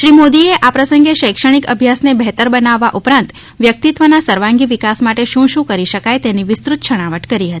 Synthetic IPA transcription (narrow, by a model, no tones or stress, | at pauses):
ʃɾimod̪ieʔapɾəsə̃ŋɡeʃəjkʂəɽ̃ikəbʱjasnebɛɦt̪əɾbənaʋːaʔupɾãnt̪ | ʋjək̚t̪it̪ʋənasəɾʋãŋɡiʋikasmaʈeʃũʃũkəɾiʃəkajt̪eniʋɪst̪ɾut̪ʃʰəɽ̃aʋəʈkəɾiɦət̪i̥